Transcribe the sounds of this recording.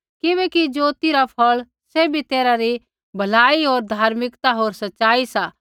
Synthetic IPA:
kɪʋeːkid͡ʒoːt̪iɾapʰɐɭ | sebʱit̪eːɾaɾi | bʱɐlaːiɦoːɾd̪ʱaːɾmɪkt̪aɦoːɾsɐtːʃaːisa

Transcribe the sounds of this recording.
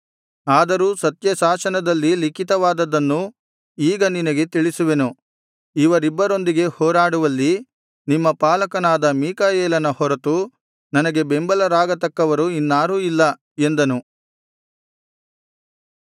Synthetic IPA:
aːd̪ɐɾuːsɐt̪jɐsaːsɐnɐd̪ɐlːilikit̪ɐʋaːd̪ɐd̪ɐnːu | iːɡɐninɐɡe̞t̪iɭisuʋe̞nu | iʋɐɾibːɐɾo̞nd̪iɡe̞hɔːɾaːɽuʋɐlːi | nimːɐpaːlɐkɐnaːd̪ɐmiːkajɛːlɐnɐhɔɾɐt̪u | nɐnɐɡe̞be̞mbɐlɐɾaːɡɐt̪ɐkːɐʋɐɾuinːaːɾuilːɐ | e̞nd̪ɐnu

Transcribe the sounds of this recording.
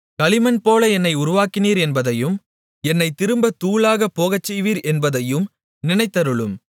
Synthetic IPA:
kɐɭɪmɐnpoːlɐɛnːɐɪʊɾʊʋaːkːɪniːɾɛnbɐðɐjɯm | ɛnːɐɪt̪ːɪɾɯmbɐt̪uːlaːɣɐpːoːɣɐt͡ʃːɛjʋiːɾɛnbɐðɐjɯm | nɪnɐɪt̪ːɐɾɯɭɯm

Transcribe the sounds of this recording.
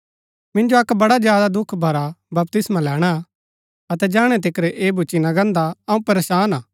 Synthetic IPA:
mɪ̃nd͡ʒoɐkbɐɽad͡ʒjaːd̪ad̪ʊkʰbʱɐɾabɐp̚t̪ɪsmãlɛːɽ̃a | ɐt̪ɛd͡ʒãːɽ̃ɛt̪̬ɪkɾeʔeːbʱʊt͡ʃinaɡɐ̃nd̪aɐũpɐɾeːʃaːnaː

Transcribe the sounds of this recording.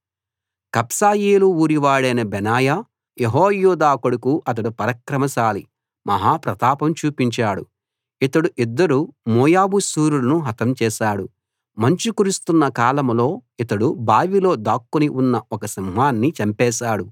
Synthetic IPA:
kɐpsaːjeːluuːɾiʋaːɭɐjnɐbɛnaːja | jeɦoːjuːd̪aːkɐɽukuʔɐt̪̬ɐɽupɐɾɐkɾɐmɐsaːli | mɐɦaːpɾɐt̪aːpɐmt͡ʃuːpiɲt͡ʃaːɽṵ | it̪ɐɽuʔid̪ːɐɾumɔːjaːbusuːɾulɐnuɦɐt̪ɐmt͡ʃɛːʃaːɽu | mɐɲt͡ʃikuɾust̪unːɐkaːlɐmlo̞ːit̪ɐɽubaːʋilo̞ːd̪aːkːuniʔunːɐɔkɐsimɦaːnːit͡ʃɐmpɛːʃaːɽu

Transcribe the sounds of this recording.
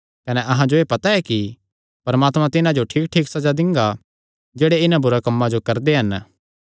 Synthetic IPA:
kɐnɛʔɐɦãd͡ʒoeːpɐt̪aɛki | pɐɾmaːt̪mãt̪ɪnãd͡ʒoʈʰiːk̚ʈʰiːksɐd͡ʒad̪ɪ̃ŋɡa | d͡ʒeːɽeɪnãbʊɾakɐmːãd͡ʒokɐɾd̪eɦɐn

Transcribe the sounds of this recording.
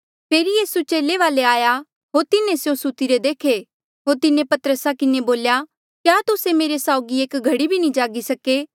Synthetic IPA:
pʰeːɾijiːsut͡ʃeːleʋaːleaːja | ɦoːɾt̪ɪnẽsjõsut̪iɾed̪eːkʰe | ɦoːɾt̪ɪnẽpɐt̪əɾəsakɪneboːlja | kjaːt̪ʊsemeːɾesaːʊɡieːkɡʱɐɽibʱinĩd͡ʒaːɡisɐkeː

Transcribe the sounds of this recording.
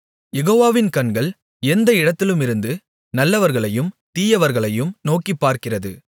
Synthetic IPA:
jɛɣoːʋaːʋɪnkɐɳɡɐɭ | ɛnd̪ɐɪɽɐt̪ːɪlɯmɪɾɯnd̪ɯ | nɐlːɐʋɐɾɣɐɭɐjɯmt̪iːjɐʋɐɾɣɐɭɐjɯmnoːkipːaːɾkɪrɐðɯ̰

